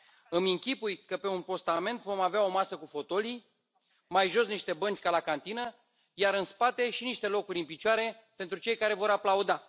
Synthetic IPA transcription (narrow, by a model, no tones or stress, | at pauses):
ɨmiŋkʲipujkəpe̞unpo̞st̪ame̞nt̪vo̞maveao̞masəkufo̞t̪o̞li | majʒo̞sniʃt̪e̞bənt͡ʃʲkalakant̪inə | jaɾɨnspat̪e̞ʃiniʃt̪e̞lo̞kuɾʲɨnpit͡ʃoaɾe̞ | pent̪ɾut͡ʃe̞jkaɾe̞vo̞ɾaplaud̪a